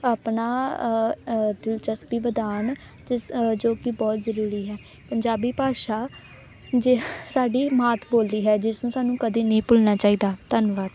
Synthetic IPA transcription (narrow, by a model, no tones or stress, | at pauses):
aːpnaː | d̪ɪlt͡ʃəspiːʋəd̪aːn | d͡ʒɪd͡ʒoːkɪbɔːt̪zəɾuːɾiːɦɛː | pəɲd͡ʒaːbiːpaːʃaː | d͡ʒsaːɖiːmaːt̪ʰboːlːiːɦɛːd͡ʒɪsnũːsaːnũːkəd̪iːnəĩːpʊlnaːt͡ʃaːiːd̪aːt̪ənʋaːʈ